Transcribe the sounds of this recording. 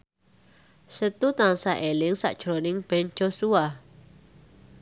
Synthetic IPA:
sət̪ut̪aŋsaʔelɪŋsa̰ʔd̥ʒ̥ɾonɪŋb̥ɛn̥d͡ʒ̥osua

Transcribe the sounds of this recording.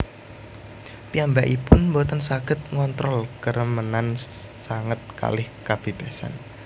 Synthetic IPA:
piambaʔipʊnmbot̪ənsaɡ̥ət̪̚ŋɔnt̪ɾɔlkərəmənansaŋət̪̚ka̰lɪhkab̥ib̥asa̰n

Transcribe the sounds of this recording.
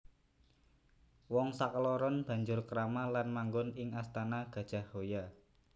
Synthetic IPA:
wɔŋsakəlɔɾɔnb̥ä̤ɲd͡ʒʊrkəɾamalanmaŋɡʊnɪŋast̪anaɡ̥ä̤d̥ʒ̥a̤hhoja

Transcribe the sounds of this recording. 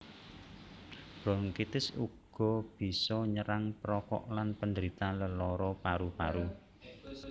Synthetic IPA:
b̥ɾɔŋkit̪ɪsṵɡ̥ɔ̤b̥i̤sɔɲəɾaŋpəɾɔkɔ̰ʔlanpənd̪əɾit̪aləlɔɾɔpaɾupaɾu

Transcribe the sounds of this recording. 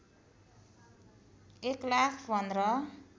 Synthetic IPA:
eklakʰbʱʌnd̪rʌ

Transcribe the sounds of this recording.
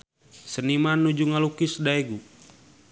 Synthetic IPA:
sənimanːud͡ʒuŋalukisdaeɡu

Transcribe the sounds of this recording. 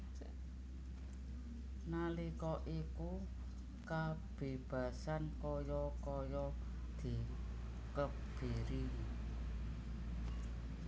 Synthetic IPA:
nalikɔʔiku | kab̥e̤b̥a̤sankɔjɔkɔjɔ | d̪̥i̤ | kə | b̥eɾi

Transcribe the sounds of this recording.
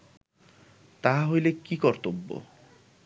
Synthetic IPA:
t̪aɦaɦojlekikɔɾt̪obːo̰

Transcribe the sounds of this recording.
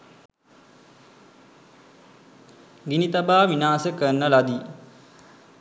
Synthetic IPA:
ɡinit̪abaːʋinaːsəkənːəlad̪i

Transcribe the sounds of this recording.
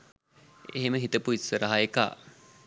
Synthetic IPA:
eɦeməɦit̪əpuisʋəɾaɦajeka̰ː

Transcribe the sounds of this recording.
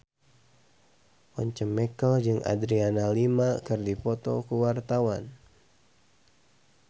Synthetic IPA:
ʔɔɲt͡ʃəmɛkəld͡ʒɨŋa̰dɾianalimakɨrdipɔt̪ɔkəwart̪awan

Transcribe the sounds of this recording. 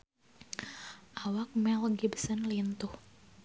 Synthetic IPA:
ʔawak̚mɛlɡibsənlint̪uh

